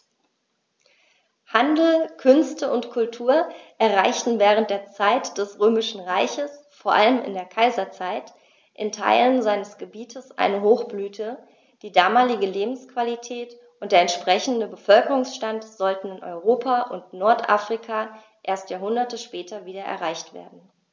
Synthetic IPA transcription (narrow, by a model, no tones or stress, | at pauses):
handl̩kʰʏnstəʊntkʰʊltʰuːɐʔɛɐʁaɪçtn̩vɛːʁ̞ənt̚d̥eːɐt͡saɪtd̥ɛsʁøːmɪʃn̩ʁaɪçəsfoːɐʔaləmɪ̰ndeːɐkʰaɪzɐt͡saɪt | ʔɪ̰ntʰa̰ɪlənzaɪnəsɡ̥əbiːtʰəsʔa̰ɪnəɦoːxb̥lyːtʰə | d̥iːdaːmaːlɪɡəleːbm̩skv̥alitʰɛːt | ʔʊnt̚d̥eːɐɛntʃpʁ̥ɛçn̩dəbəfœlkəʁʊŋsʃtantz̥ɔltn̩ɪnʔɔ̰ʏʁoːpʰaʔʊntnɔɐtʔa̰ːfʁ̥ikʰa | ʔeːɐstjaːɦʊndɐtəʃpɛːtʰɐviːdɐʔɛ̰ɐʁaɪçtv̥ḛːɐdn̩